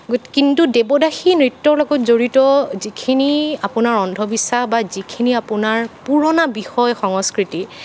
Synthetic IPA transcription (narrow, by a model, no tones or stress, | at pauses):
ɡotkintudebɔdaxinɹitːɔɹlɔɡɔtzoɹitɔzikʰiniapʊnaɹɔndʱɔbisaxbazikʰiniapʊnaɹpuɹɔnabixɔjxɔŋɔskɹiti